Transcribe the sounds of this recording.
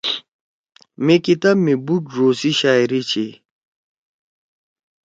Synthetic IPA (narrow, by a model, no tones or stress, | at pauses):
mekit̪amebuɖɾoːsiʃaiɾit͡ʃʰe